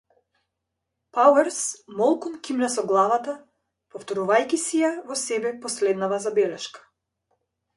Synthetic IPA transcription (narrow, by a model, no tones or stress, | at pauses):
pawɛɾsmɔlˠkunkimɾasɔɡlˠavat̪a | pɔft̪ɔɾuvajkʲisijavɔsɛbɛpɔslɛd̪navazabɛlɛʃkḁ